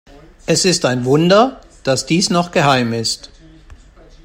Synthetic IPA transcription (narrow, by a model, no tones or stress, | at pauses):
ʔɛsɪstaɪnvʊndɐ | d̥asd̥iːsnɔχɡ̥əɦaɪmɪst